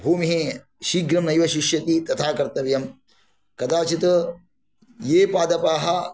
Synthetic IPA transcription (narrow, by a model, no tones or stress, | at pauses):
bʱuːmiɦi | ʃiːɡɾɐmnɐjʋɐʃiʃjɐt̪it̪ɐt̪ʰaːkɐɾt̪ɐʋjɐm | kɐd̪aːt͡ʃit̪ɐ | jeːpaːd̪ɐpaːɦɐ